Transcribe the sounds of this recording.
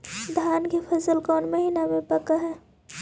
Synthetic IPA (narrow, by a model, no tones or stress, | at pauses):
d̪ʱaːnkepʰɐsəlkɔːnmɐɦiːnamẽpɐkaɦɛː